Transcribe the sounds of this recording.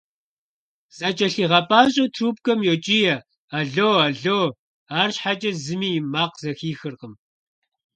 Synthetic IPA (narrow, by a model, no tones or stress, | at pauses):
zɐt͡ʃʼɐɬiːʁɐpʼaːɕʼɐtʰruːp̚kʼɐmjot͡ʃʼiːjɐ | aɮoːwaɮow | aːrɕħat͡ʃʼɐzɨmiːjmaːqz̥ɐxiːxɨrqəm